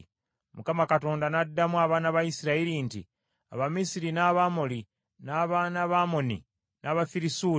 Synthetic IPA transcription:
mukamakato̞ːndanadːamwaβaːnaβajisiɾaiɾintḭ | a̰βamisiɾinaːβamoli | naːβaːnaβamo̞nḭ | naβafiɾisuː

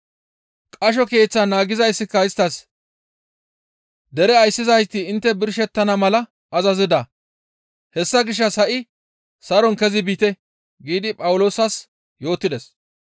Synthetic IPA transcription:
kʼɐʃ̬ɔke̞ːt͡sːɐnaːɡɪzɐjsːɪkːɐjɪst̪ɐs | d̪ɛɾɛɐjsːɪzɐjt̪ːɪːnt̪ːɛbɪɾʃɛt̪ːɐnɐmɐlɐ | ɐzɐzɪd̪ɐ | hɛsːɐɡɪʃ̬ːɐsɐʔɪ | sɐɾɔnkɛzɪbiːt̪ɛ | ɡiːd̪ɪpʼɐwʊlo̞ːsɐs | jo̞ːt̪ːɪd̪ɛs

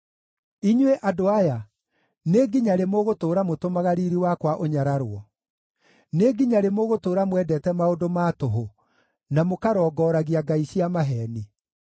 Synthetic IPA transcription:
iɲweʔadoaja | neɡiɲaɾemoɣotoːɾamotomaɣaɾiɾiwakwaʔoɲaɾaɾoɔ | neɡiɲaɾemoɣotoːɾamwɛdɛtɛmaodomaːtoɦo | namokaɾɔːɡɔɾaɣiaɡaiɕiamaɦɛni

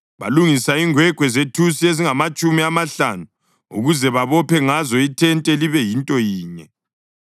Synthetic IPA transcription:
βa̰luŋisaiŋwɛɡ̥ʱwɛzetʰusieziŋamat͡ʃʼumiamaɬa̰nu | ṵɣuzɛβaβɔpʰɛŋazɔitʰɛntʼɛliβɛjintʼɔjiːɲɛ

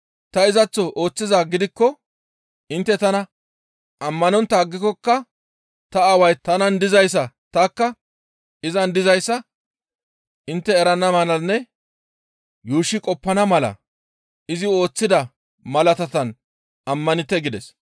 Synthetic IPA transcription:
t̪ɐɪzɐt͡sːɔʔo̞ːt͡sːɪzaːɡɪd̪ɪkːɔ | ɪnt̪ːɛt̪ɐnɐ | ɐmːɐnɔnt̪ːɐːɡːɪkːɔkːɐ | t̪ɐɐwɐjt̪ɐnɐnd̪ɪzɐjs̬ːɐ | t̪ɐkːɐ | ɪzɐnd̪ɪzɐjsːɐ | ʔɪnt̪ːɛɛɾɐnːɐmɐnɐnːɛ | juːʃːɪkʼɔpːɐnɐmɐlɐ̰ | ɪzɪo̞ːt͡sːɪd̪ɐ | mɐlɐt̪ɐt̪ɐn | ɐmːɐnɪt̪ːɛɡɪd̪ɛs

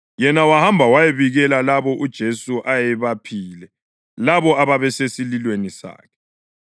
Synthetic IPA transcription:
jɛnawahambʱawajeβiɣɛlalaβɔʔud̥ʒ̥ʱesuʔajɛβapʰiːlɛ | laβɔaβaβɛsesililwenisa̰ːkʰɛ̥

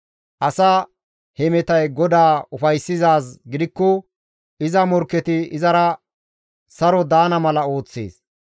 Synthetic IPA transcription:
ʔɐsɐ | hɛmɛt̪ɐjɡɔd̪aːʊfɐjsːɪzaːsɡɪd̪ɪkːɔ | ʔɪzɐmɔɾkːɛt̪ɪɪzɐɾɐ | sɐɾɔd̪aːnɐmɐlɐo̞ːt͡sːḛːs

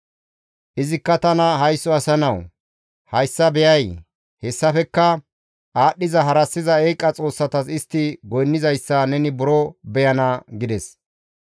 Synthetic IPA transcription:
ʔɪzɪkːɐt̪ɐnɐɦɐjsːɔɐsɐnɐw | hɐjsːɐbɛjɐj | hɛsːɐfɛkːɐ | ʔaːɗːɪzɐɦɐɾɐsːɪzɐejkʼːɐt͡sʼo̞ːsːɐt̪ɐsɪst̪ːɪɡɔjnːɪzɐjsːɐnɛnɪbʊɾɔbɛjɐnɐɡɪd̪ɛs

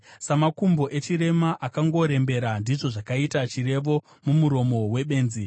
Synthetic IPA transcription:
samakumbo̞ʔe̞t͡ʃiɾe̞maʔakaŋɡo̞ɾe̞mbe̞ɾandiʐo̞ʐakaitat͡ʃire̞ʋo̞ | mumuɾo̞mo̞we̞ɓe̞ːnzi

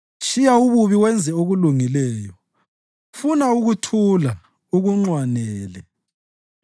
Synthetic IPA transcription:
ʃijauβuβiwɛnd͡zʱɛoɣuluŋilɛːjɔ | funauɣutʰula | uɣuŋ͡ǀwanɛːlɛ

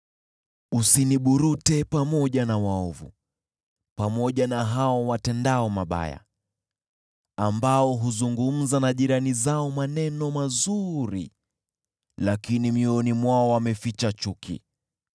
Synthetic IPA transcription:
usiniɓuɾutɛpamɔʄanawaɔvṵ | pamɔʄanaɦaɔwatɛndaɔmaɓa̰ja̰ | ambaɔɦuzuŋɡum̩zanaʄiɾanizaɔmanɛnɔmazuɾḭ | lakinimiɔnimwaɔwamɛfit͡ʃat͡ʃukʰḭ

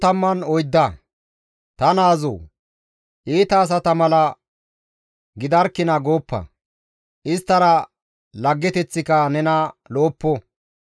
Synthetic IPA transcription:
ɐmːɐnɔjd̪ːɐ | t̪ɐnaːzo̰ː | ʔiːt̪ɐːs̬ɐt̪ɐmɐlɐ | ɡɪd̪ɐɾkːɪnɐɡoːpːɐ̰ | ʔɪst̪ːɐɾɐ | lɐɡːɛt̪ɛt͡sːɪkɐnɛnɐloːpːɔ

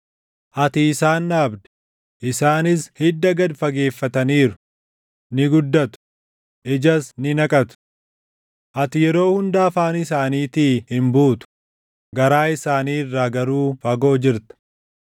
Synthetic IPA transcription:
ʔɐt̪ɪːsaːnːaːbd̪ɛ̥ | ʔɪsaːnɪshɪd̪ːɐɡɐd̪fɐɡe̞ːfːɐt̪ɐniːɾʊ̥ | nɪɡʊd̪ːɐt̪ʊ̥ | ʔɪd͡ʒɐsnɪnɐkʼɐt̪ʊ̥ | ʔɐt̪ɪjɛɾo̞ːhʊnd̪aːfaːnɪsaːniːt̪iːhɪmbuːt̪ʊ̥ | ɡɐɾaːɪsaːniːɪrːaːɡɐɾuːfɐɡo̞ːd͡ʒɪɾt̪ɐ̥

